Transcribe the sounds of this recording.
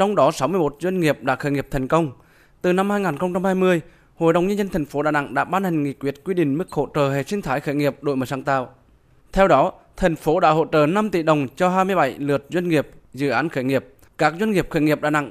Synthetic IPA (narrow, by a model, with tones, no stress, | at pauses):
t͡ɕɔ˧wŋ͡mɗɔ˨˦sa˨˦wmɨ˧əjmo˨˩t̚zwə˧jŋ̟ŋi˨˩əp̚ɗa̰ː˧˥xəː˧˩ŋi˨˩əp̚t̪ʰɛ˨˩ŋ̟kə˧wŋ͡m | t̪ɨ˨˩na˧mhaː˧jŋaː˨˩nxə˧wŋ͡mt͡ɕa˧mhaː˧jmɨ˧əj | ho̰˧˨jɗə˨˩wŋ͡mɲə˧nzə˧nt̪ʰɛ˨˩jŋ̟fo˨˦ɗa̰ː˧˨na̰˧˨ŋɗa̰ː˧˥ɓaː˧nhɛ˨˩ŋ̟ŋḭ˧˨kwi˦˥ət̚kwi˧ɗï˧˨ŋ̟mɨ˦˥k̚ho̰˧˨t͡ɕəː˨˩ɦe˨˩si˧əŋt̪ʰaː˨˦jxəː˧˩jŋi˨˩əp̚ɗo̰˧˩jmə˨˩saː˧˩ŋt̪a̰ː˧˨w | t̪ʰɛ˧wɗɔ˨˦ | t̪ʰɛ˨˩jŋ̟fo˨˦ɗa̰ː˧˥ɦo̰˧˨t͡ɕəː˨˩na˧mt̪i˧˩ɗə˨˩wŋ͡mt͡ɕɔ˧ɦaː˧jmɨ˧əjɓa˧˩jlɨ˨˩ət̚zwə˧jŋ̟ŋi˨˩əp̚zɨ̰˧˨ʔaː˨˦nxəː˧˩jŋi˨˩əp̚ | kaː˦˥k̚zwə˧ŋŋi˨˩əp̚xəː˧˩jŋi˨˩əp̚ɗa̰ː˧˨na̰˧˨ŋʔ